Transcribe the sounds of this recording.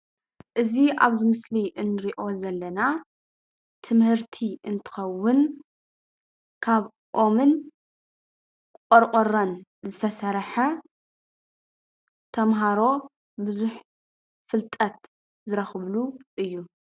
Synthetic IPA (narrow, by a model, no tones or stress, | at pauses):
ʔɨziʔaβzɨmɨsliʔɨnːɨɾiʔo̞zɐlːɐna | t̪ʰɨmhɨɾt̪ʰiʔɨnt̪ʰɨ̥xɐwːʊn | kʰaβ | ʔo̞mɨn | kkʼoɾqʼoɾanzɨt̪ʰɐsɐɾħɐ | t̪ʰɐmɦaɾo̞ | bɨzuħ | fɨlt̪ʼɐt̪ | zɨɾɐxɨβluʔɨjːu